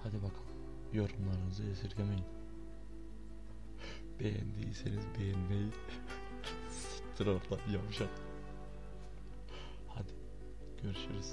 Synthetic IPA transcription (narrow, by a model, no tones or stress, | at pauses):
had̪ibakʰɯ̥n | joɾumlˠaɾɯnɯzɯjesiɾɡʲemejin | b̥ejɛ̰nd̪ḭjisenizbejɛnmej | si̥t̪ʰːiɾoɾlˠajamɯʃan | had̪i̥ | ɡ̥øɾyʃyɾiz̥